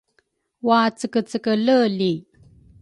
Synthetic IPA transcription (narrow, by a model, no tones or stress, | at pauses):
wat͡səkət͡səkələli